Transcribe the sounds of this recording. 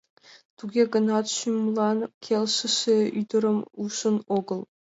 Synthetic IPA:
t̪uɡʲeɡə̆nɑt̪ɕumlˠɑnkʲʰelʲʃɘ̆ʃeyd̪ɘ̆ɾɘ̆muʃə̆noɡɤ̆lˠ

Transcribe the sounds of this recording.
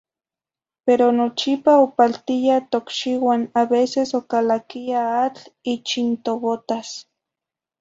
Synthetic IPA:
peɾonot͡ʃipaopalt̪ijat̪okʃiwanaβesesokalakiaat͡ɬit͡ʃint̪oβot̪as

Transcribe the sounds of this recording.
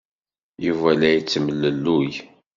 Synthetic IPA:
juvælæjt͡sːməlːəlːuj

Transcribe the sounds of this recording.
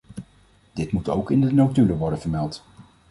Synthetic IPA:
d̥ɪtmuto̰wkɪndənowtyləʋɔɹdənvəɹmɛlˠt

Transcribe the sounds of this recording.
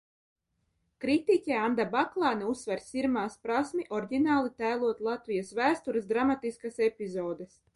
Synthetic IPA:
kɾit̪ikʲɛand̪abaklˠɑːnɛusːvɛɾsʲiɾmaːspɾasmiʔɔɾɡʲinaːlˠit̪æjlˠuɔt̪lˠat̪vʲijasvæːst̪uɾɨs̬ɡɾamat̪iskasepʲizɔːd̪ɛs

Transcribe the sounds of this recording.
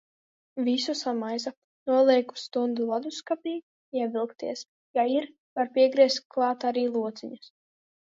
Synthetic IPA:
vʲisusamajza | nuɔlˠiɛku̥st̪und̪ulˠad̪uskapʲiː | iɛvʲilˠkt̪ḭɛs | jaiɾ | vaɾpʲiɛɡɾiɛst̪̚klˠɑːt̪aɾiːlˠuɔt̪sʲiɲas

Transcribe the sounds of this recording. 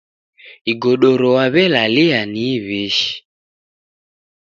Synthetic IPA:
iɡɔɗɔɾɔwaβɛlalianiβiʃi̥

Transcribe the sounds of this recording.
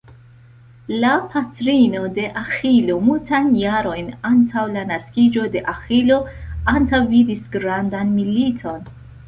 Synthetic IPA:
lapʰatɾino̞de̞ʔaxilo̞multajnjaɾo̞jnantʰawlanaskid͡ʒo̞de̞ʔaxilo̞antawvidisɡɾandanmilitʰo̞n

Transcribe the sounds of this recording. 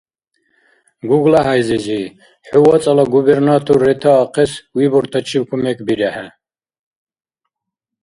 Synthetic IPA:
ɡuɡlaɦajzizi | ħuwat͡sʼalaɡubɛɾnat̪ʰɔrːɛt̪ʰaːqʰɛswibɔɾt̪ʰat͡ʃʰibkʰumɛkʰbiɾɛħa

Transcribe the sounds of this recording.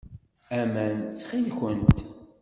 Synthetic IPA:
æmænt͡sːχilkʷːənt̪

